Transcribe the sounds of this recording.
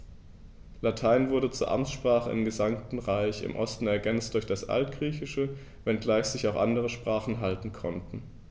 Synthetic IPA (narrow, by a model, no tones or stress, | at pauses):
latʰaɪnvʊɐɾət͡suːɐʔamt͡sʃpʁ̥aːχəɪmɡəzamtn̩ʁaɪçɪ̰mʔɔstn̩ɛɐɡɛnt͡std̥ʊɐçd̥asʔa̰ltɡ̥ʁiːçɪʃə | vɛnɡlaɪçz̥ɪçaʊxʔa̰ndəʁ̞əʃpʁ̥aːχn̩ɦaltn̩kʰɔntn̩